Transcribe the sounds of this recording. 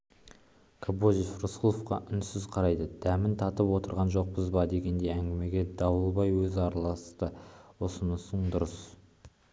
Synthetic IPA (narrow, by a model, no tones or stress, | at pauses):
kʰoboʒifrusəlˠofqɑ̰ʔʏnsɪzqʰɑɾɑjd̪əd̪̥æmɪnt̪ʰɑt̪əpwo̞t̪əɾʁɑnʒo̞q̚pəzbɑd̪e̞ɡʲe̞nd̪e̞jæŋɡʲɪme̞ɡʲe̞d̪ɑwəlˠbɑjwɵzɑɾɑlˠɑst̪əwosənəsəɴd̪ʊɾəs